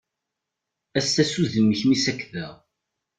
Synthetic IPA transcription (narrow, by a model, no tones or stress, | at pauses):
æsæsuðəmːəçmisækːðæʁ